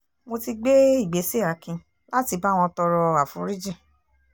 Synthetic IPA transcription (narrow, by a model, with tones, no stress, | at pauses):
mo˧ti˧ɡ͡be˦i˦˨ɡ͡be˨˦se˦a˨˦kĩ˧ | la˦ti˧ba˦˨w̃ɔ̃˧tɔ˧ɾɔ˧a˨fũ˨˦ɾi˦d͡ʒĩ˦˨